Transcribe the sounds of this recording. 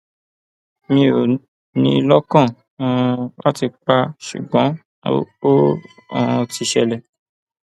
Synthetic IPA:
mĩ˧o˨ | nĩ˧lɔ˦kã˦˨˦ | la˦ti˧k͡pa˧ʃṵ˨ɡ͡bɔ̃˨˦ | õ˦˨˧ | ti˧ʃɛ˧lɛ˨

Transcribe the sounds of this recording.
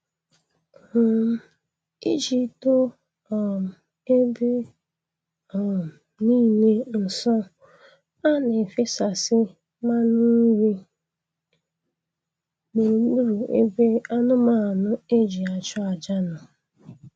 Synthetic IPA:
i˦d͡ʒi˨to˦˨ | m˨ | e˦be˦˨ | niː˦ɲe˦n̩˨sɔ˦ | a˦ne˨fi˦sa˨sɪ˦ | ma˦ni˦wi˦ | me˨ɾu˨ɡ͡bu˦ɾu˨ḛ˦be˦a˦nʊ˦ma˦˨nʊ˦e˦d͡ʒi˨a˨t͡ʃʊ˦a˨d͡ʒa˦nɔ˨

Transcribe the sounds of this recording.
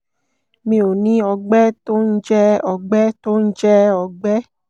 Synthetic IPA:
mĩ˧o˨nĩ˨˦ɔ˧ɡ͡bɛ˦to˦n̩˦d͡ʒɛ˦ɔ˨ɡ͡bɛ˦to˦n̩˦d͡ʒɛ˦ɔ˧ɡ͡bɛ˦

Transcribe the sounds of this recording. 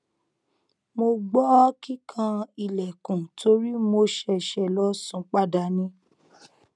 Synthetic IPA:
mo˧ɡ͡bɔ˦ki˦kʰã˧i˨lɛ˨kũ˨tʰo˧˦ɾi˦mo˧ʃɛ˧ʃɛ˨lɔ˨˦sũ˧˦k͡pa˦da˧˨nĩ˧˦

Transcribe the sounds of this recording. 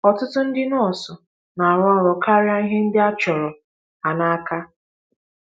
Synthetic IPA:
ɔ˨tʊ˦tʊ˦n̩˦dɪ˦nʊ˦ɔ˨sɔ˨ | na˨a˨ɾɔ˦ɾɔ˨ka˦ɾɪ˦a˦n̩˦ɦɪ˦n̩˦dɪ˦a˦t͡ʃɔ˨ɾɔ˨ | a˨na˦ka˦

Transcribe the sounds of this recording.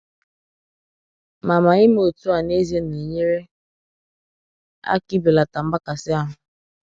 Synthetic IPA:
ma˨ma˨ɪ˦m˦o˨tu˦a˨ne˦ze˦n˨e˨ɲe˦ɾe˦ | a̰˦ki˦bi˨la˨ta˨m̩˦ba˦ka˨sɪ˦a˦ɦʊ˨

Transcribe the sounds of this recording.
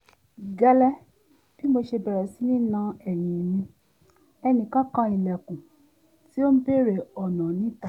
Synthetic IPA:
ɡɛ˧lɛ˦ | b̥i˦mo˧ʃe˧bɛ˨ɾɛ˨si˦nĩ˦nã˧ɛ˨j̃ĩ˨mĩ˧ | ɛ˧nĩ˨kã˦kã˧i˨lɛ˨kũ˨ | ti˦o˦n̩˦be˦˨ɾe˨ɔ˨nã˨nĩ˨˦ta˦˨

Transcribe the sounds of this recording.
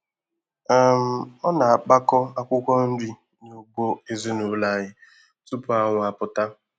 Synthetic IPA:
a˦˨m̩˦ɔ˦na˨a˨k͡pa˦kɔ˦a˦kʷʊ˦kʷɔ˦n̩˦di˦ | ɲo˨ɡ͡bo˦e˦zi˦nu˨˦la˦˨ɣɪ˦ | tu˦pʊ˦a˦ŋʷʊ˨a˨pʊ˨ta˦

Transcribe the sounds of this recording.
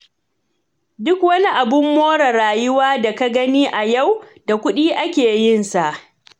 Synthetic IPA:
dʊ˦kwɐ˦ni˦ʔa˨bʊ˦mːoː˦ɽɐ˨ɾaː˨jʊ˦waː˦da˨ka˦ɡɐ˦niː˦ʔa˨ja˦˨wda˨kʷʊ˦ɗiː˦ʔa˦kʲeː˨jɪ˦nsa˨ʔ

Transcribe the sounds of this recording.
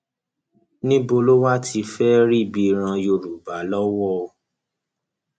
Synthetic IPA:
nĩ˦bo˧lo˦wa˦tʰi˧fɛ˦ɾi˦˨bi˧ɾ̃ã˧jo˧ɾu˨ba˨˦lɔ˦wɔ˦˧

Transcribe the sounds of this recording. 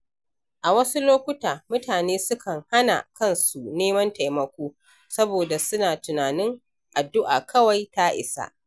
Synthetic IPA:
ʔa˨wɐ˦su˦loː˦kʷʊ˦taː˨mʊ˦taː˨neː˦sʊ˦kʰɐ˨ŋha˦na̰˨kɐ˦˨nsu˨neː˦mɐ˦nta˨jmɐ˨kʷoː˦ | sɐ˦boː˨da˨sʊ˦naː˨tʊ˨naː˨nɪ˦ŋ | ʔa˨dːʊ˦ʔa̰ː˨kʰɐ˦wa˨jta˦ʔɪ̰˨sa̰˦ʔ

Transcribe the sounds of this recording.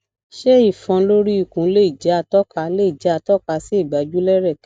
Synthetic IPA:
ʃe˦i˦˨fɔ̃˧lo˦ɾi˦i˨kũ˨˦le˦i˨d͡ʒɛ˨˦a˧tɔ˦ka˧˦le˦i˨d͡ʒa˨˦a˧tɔ˦ka˧si˦i˦˨ɡ͡ba˨˦d͡ʒu˦lɛ˦ɾɛ˦˨k

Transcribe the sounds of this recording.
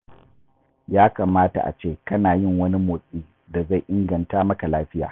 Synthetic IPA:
jaː˦kaː˨maː˦ta̰˨ʔa̰˨t͡ʃeː˦kɐ˦naː˨jɪ˦˨ŋwɐ˦ni˦moː˨sʼiː˦ | da˨za˦˨jʔɪ˦ŋɡɐ˨ntaː˦mɐ˦ka˨laː˦ɸɪ˦ja̰ː˨

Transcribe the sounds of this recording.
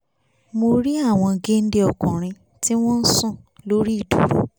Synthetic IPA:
mo˧ɾi˦a˦˨w̃ɔ̃˧ɡe˦n̩˦de˦ɔ˨kɔ̃˨ɾ̃ĩ˧ | ti˦w̃ɔ̃˦n̩˦sũ˦˨lo˦ɾi˦i˦˨du˨ɾṵ˨

